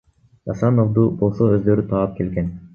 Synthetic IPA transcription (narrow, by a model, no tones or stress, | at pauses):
ɑsɑnovd̪ubo̞lˠsoøzd̪ø̞ɾyt̪ʰɑːp̚ke̞lɡen